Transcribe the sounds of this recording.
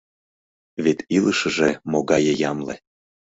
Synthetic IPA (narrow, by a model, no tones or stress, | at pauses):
βet̪iləʃə̆ʒemoɣɑjejɑmlḛ